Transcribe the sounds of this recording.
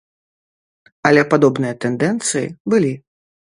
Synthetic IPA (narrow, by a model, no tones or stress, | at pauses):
ɐlʲɛpad̪ɔbnɨjɐt̪ɛnd̪ɛnt̪sɨjḭbɨlʲi